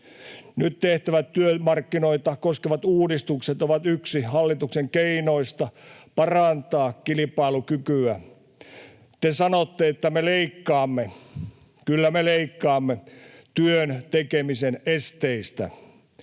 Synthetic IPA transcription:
nyt̪t̪eht̪æʋæt̪tyømɑrkːinoit̪ɑkoskeʋɑt̪uːdist̪ukset̪oʋɑt̪yksihɑlːit̪ukseŋkeinoist̪ɑpɑrɑnt̪ɑːkkilipɑilukykyæ | t̪esɑnot̪ːeet̪ːæmeleikːɑːmːe | kylːæmeleikːɑːmːet̪yønt̪ekemisenest̪eist̪æ̰

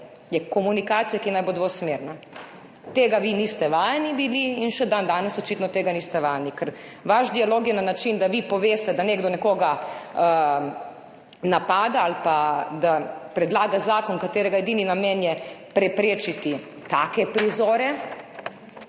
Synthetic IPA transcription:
jɛkɔmunikaːt̪sijakinajbod̪ʋosmeːɾna | t̪eːɡaʋinist̪ɛʋaːjɛnibiliinʃɛd̪and̪aːnɛsɔt͡ʃit̪nɔt̪eːɡaniːst̪ɛʋaːjnikɛɾʋaʒd̪ialoːkjɛnanat͡ʃind̪aʋipɔʋeːst̪ɛd̪aneːɡd̪ɔnɛkoːɡaə | napaːd̪aalpad̪apɾɛd̪laːɡazaːkɔnkat̪eːɾɛɡaed̪iːninameːnjɛpɾɛpɾeːt͡ʃit̪i | t̪akɛpɾizoːɾɛ

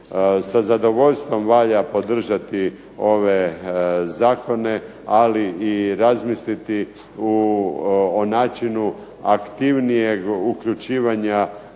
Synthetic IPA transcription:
sazad̪o̞ʋo̞ʎst̪ʋo̞mʋaʎapo̞d̪r̩ʒat̪i | o̞ʋezaːko̞ne̞ | aliiɾazmislit̪i | u | onaːt͡ʃinu | akt̪iʋnije̞ɡuklʎut͡ʃiːʋaɲa

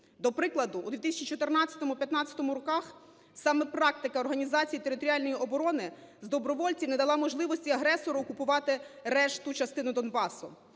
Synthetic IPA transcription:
d̪ɔpɾɪklˠɐd̪ʊṵd̪ʲit̪ɪsʲɐt͡ʃit͡ʃɔt̪ɪrnɑt͡sʲɐ̥t̪ɔmʊpʲjɐt̪nɑt͡sʲːɐ̥t̪ɔmʊɾɔkɑx | sɑmɛpɾɑk̚t̪ɪkɐɔrɦɐnʲizɑt͡sʲijit̪eɾɪt̪ɔɾʲiɑlʲnɔjiʔɔbɔɾɔnɪzd̪ɔbɾɔʋɔlʲt͡sʲiwnɛd̪ɐlˠɑmɔʒlˠɪʋɔsʲtʲiɐɦɾɛsɔɾʊːkʊpʊʋɑt̪ɪɾɛʃt̪ʊt͡ʃɐst̪ɪnʊd̪ɔnbɑsʊ

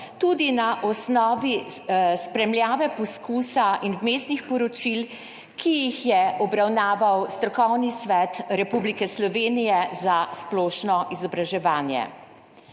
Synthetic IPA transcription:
t̪ud̪inaʔɔsnɔːʋispɾɛmljaːʋɛpɔskuːsaʔinmeːst̪nixpɔɾɔt͡ʃil | kijixjɛɔbɾawnaːʋawst̪ɾɔkɔwnisʋɛt̪ɾɛpublikɛslɔʋeːnijɛzasplɔːʃnɔʔizɔbɾaʒɛʋaːnjɛ̰

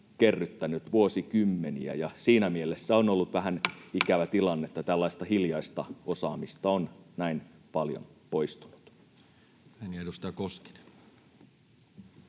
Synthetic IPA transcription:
kerːyt̪ːænyt̪ʋuosikymːeniæ̰jɑsiːnæmielesːæonolːut̪ʋæhænikæʋæt̪ilɑnːet̪ːɑt̪ælːɑist̪ɑhiljɑist̪ɑosɑːmist̪ɑonnæinpɑljo̰npoist̪unu̥t̪ | hæniedust̪ɑjkoske̥ne̥n

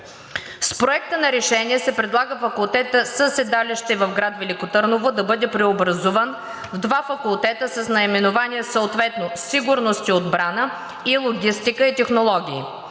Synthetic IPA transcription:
spɾoɛk̚t̪ənɐɾɛʃɛniɛsɛpɾɛd̪lˠaɡəfɐkulˠt̪ɛt̪əsəsɛd̪aliʃt̪ɛvɐfɡɾat̪vɛlikot̪əɾnovod̪ɐbɤd̪ɛpɾɛobɾɐzuvən | vd̪vafɐkʊlˠt̪ɛt̪əsəsnɐimɛnʊvaniɛsəot̪vɛt̪nosiɡʊɾnost̪iod̪bɾanə | ilˠoɡʲist̪ikəit̪ɛxnolˠɔɡʲḭː

